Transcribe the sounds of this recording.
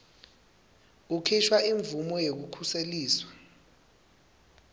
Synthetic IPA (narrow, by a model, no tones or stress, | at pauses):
ukʰiʃʰwaiɱbvumɔjek̬ukʰuseliːswḁ